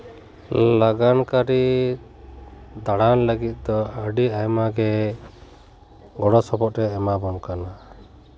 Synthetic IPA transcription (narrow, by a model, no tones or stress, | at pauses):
laɡankaɾi | d̪aɽanləɡit̪̚ˀd̪ɔəɖiajmaɡɛ | ɡɔɽɔsɔbɔt̪̚ɾɛːmabɔnkana